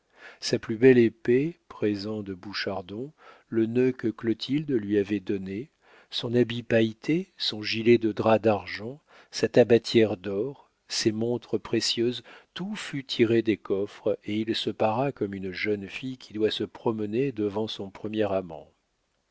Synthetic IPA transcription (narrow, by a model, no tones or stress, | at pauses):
saplybɛlepepχezɑ̃d̪əbuʃaʁd̪ɔ̃ | lənøkəklɔt̪ʰild̪lɥiavɛd̪ɔne | sɔ̃nabipajt̪ʰesɔ̃ʒilɛd̪əd̪ʁad̪aʁʒɑ̃ | sat̪abat̪jɛʁd̪ɔʁ | semɔ̃t̪χəpχesjøzt̪ufyt̪ʰiʁed̪ekɔfχeilsəpaʁakɔmynʒənfijkʲʰid̪wasəpχɔməned̪əvɑ̃sɔ̃pχəmjɛʁamɑ̰̃